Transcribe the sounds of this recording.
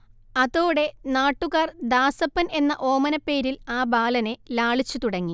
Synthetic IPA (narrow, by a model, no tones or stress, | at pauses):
ɐðo̞ːɽe̞naːʈːuɣaːrd̪aːsɐpːɐne̞nːɐʔo̞ːmɐnɐpːe̞ːɾilaːbaːlɐne̞laːɭit͡ɕːut̪uɽɐŋːi